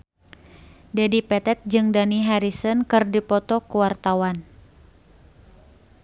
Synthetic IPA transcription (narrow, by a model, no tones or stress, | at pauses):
dɛdipɛt̪ɛt̪̚d͡ʒɨŋdaniɦaɾisənkɨrdipɔt̪ɔkuwart̪awan